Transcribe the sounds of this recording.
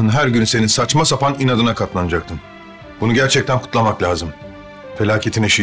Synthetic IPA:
ɯnɦæɾɟynse̞ninsat͡ʃmasapʰaninad̪ɯnakʰat̪lˠanɯd͡ʒak̚t̪ʰɯn | b̥unuɡɟæɾt͡ʃʰɛc̚t̪ænkʰu̥t̪lˠamaklʲaːzɯm | fe̞lʲaːcʰe̞t̪ʰinɛʃi

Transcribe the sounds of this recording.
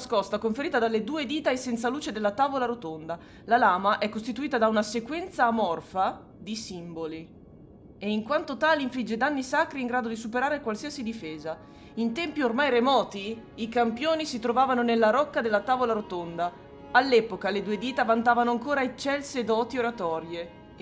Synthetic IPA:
skɔst̪akoɱfeɾiːt̪ad̪alːed̪uːed̪iːt̪aesɛnt̪saluːt͡ʃed̪elːat̪aːvolaɾot̪ond̪a | lalaːmaʔɛkːost̪it̪uiːt̪ad̪aunasekwɛnt̪saːmɔrfa | d̪isimboli | eiŋkwant̪ot̪aːliɱflid͡ʒːed̪anːisakɾiːŋɡɾaːd̪od̪isupeɾaːɾekwalsiːasid̪ifeːza | int̪ɛmpiormajɾemɔːt̪iːkampjoːnisit̪ɾovaːvanonelːaɾɔkːad̪elːat̪aːvolaɾot̪ond̪a | alːɛpokaled̪uːed̪iːt̪avant̪aːvanoaŋkoːɾaet͡ʃːɛlsed̪ɔːt̪ioɾat̪ɔɾje

